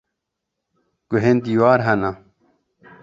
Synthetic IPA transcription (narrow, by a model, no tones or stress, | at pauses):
kuɦent̪iwaːɾɦɐna